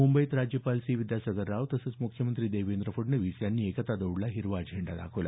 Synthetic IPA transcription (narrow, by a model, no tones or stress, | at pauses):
mumbəjt̪ɾad͡ʑjəpalsiːʋid̪jasəɡəɾːaʋt̪əsət͡smukʰjəmənt̪ɾiːd̪eʋend̪ɾəfəɖnəʋisjanːiːekət̪ad̪əwɽlaɦiɾʋad͡ʑʱeɳɖad̪a̰kʰəʋla̰